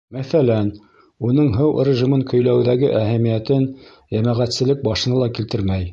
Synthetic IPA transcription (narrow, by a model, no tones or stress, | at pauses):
mæθælæn | unɤɴɦɤwrʲɪʒimɤŋkɵ̆jlæwðæɡɘʔæɦæmijæt̪ɘn | jæmæʁæt̪sɘ̆lɘk̚bɑʃɤ̆nɤlˠɑkilt̪ɘɾmæj